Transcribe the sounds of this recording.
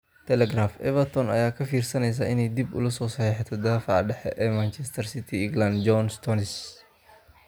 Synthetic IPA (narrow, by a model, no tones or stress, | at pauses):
t̪ʰɛlɛɡɾaːfɛ̰vɐɾt̪ʰɔnɐ̰jaːkʰɐfiːrsɐnɛjs̬ɐʔɪnɛjd̪ibʊ̰lɐsɔːsɐħiːħɛt̪ʰɐd̪aːfaʕɖɛħɛ̰ʔɛmant͡ʃɛst̪ʰɐɾsɪt̪ʰiɪŋɡland̪d͡ʒɔnst̪ʰɔnɪs